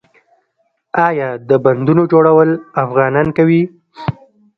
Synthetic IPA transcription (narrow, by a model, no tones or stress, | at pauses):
ɑjɑd̪əband̪unod͡ʒoɽawəlafɣɑnɑnkawi